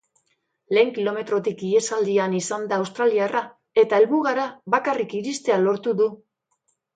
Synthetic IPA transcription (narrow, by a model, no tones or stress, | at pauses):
le̞ːŋkilo̞me̞t̪ɾo̞t̪ikie̞sald̪ianisand̪aːwst̪ɾaliara | e̞t̪ae̞lβuɣaɾaβakarikiɾist̪e̞alo̞ɾt̪uðu